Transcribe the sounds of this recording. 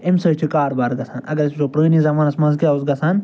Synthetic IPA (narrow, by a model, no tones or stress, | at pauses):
imsɐːt͡ʃʰukaːɾbaːɾɡɐsʰaːnɐ̰ɡɐɾsʰizopɾəːniːzɐmaːnɐsmɐzɡiauzɡɐsaːn